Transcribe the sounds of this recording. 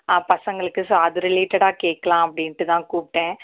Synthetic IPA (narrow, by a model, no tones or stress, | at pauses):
aːpɐsɐŋɡɐɭɯkːɯsɐðɯɾɪleːʈɐɽaːkeːkːɐlãːɐpːɐɽɪnɐʈːɯt̪ãːkuːpʈːẽː